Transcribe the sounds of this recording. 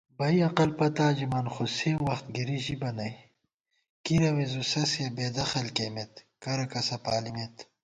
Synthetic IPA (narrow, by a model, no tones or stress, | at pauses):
bɐjɐqɐlpɐt̪aːd͡ʑimɐnxosewɐxt̪̚ɡiɾiʑibɐnɐj | kiɾɐwezusɐsebeːd̪ɐxɐlkemet̪kɐɾɐkɐsɐpaːlimet̪